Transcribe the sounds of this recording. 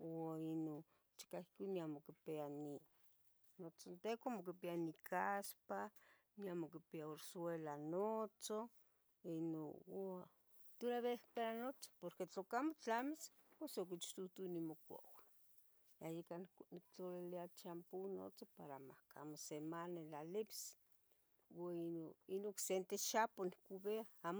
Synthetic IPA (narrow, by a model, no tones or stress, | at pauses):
oino | t͡ʃi̥kahkiniamokipeani | not͡sont̪ekʷamok̬ipianikʰaspa | niamokipiaoɾswelanot͡so | ino̰ | t̪uɾaβehpeɾanot͡so̥poɾket͡ɬokamot͡ɬamis | posok̬it͡ʃt̪ut̪unimokʷo̰w | ajikannik̚t͡ɬoliliat͡ʃampuno̰t͡sopaɾama̰hka̰mosemanelalips | waioinoksent̪eʃaponikuβeaamo